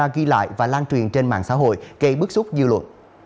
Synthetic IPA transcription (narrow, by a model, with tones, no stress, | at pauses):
aː˧ɣi˧la̰ː˧˨jvaː˨˩laː˧nt͡ɕwi˨˩ənt͡ɕe˧nma̰ː˧˨ŋsa̰ː˧˥ɦo̰˧˨jɣə˧ɓɨ˦˥k̚sʊ˦˥k͡p̚zɨ˧lwə̰˧˨n